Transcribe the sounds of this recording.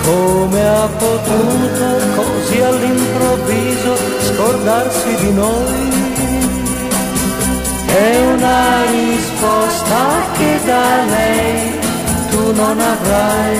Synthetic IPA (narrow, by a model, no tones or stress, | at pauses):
komeapot̪unt̪okʰɔ | zialːimpɾovizo | skoɾd̪aɾsid̪ino | j | ɛunaɾispɔst̪akʰed̪alɛj | t̪unonavɾaj